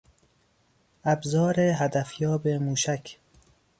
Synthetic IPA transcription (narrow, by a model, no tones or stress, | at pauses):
æbzɒːɾeɦæd̪æfjɒːbemuːʃækʰ